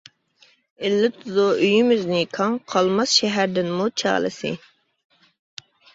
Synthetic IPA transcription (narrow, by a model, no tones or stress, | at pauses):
ɪlːɪt̪ʰuzuyjymɪznɪkʰɑŋqʰɑlˠmɑsʃɛɦæɾd̪ɪnmut͡ʃʰɑ̰ːlˠɨ̰sɨ̰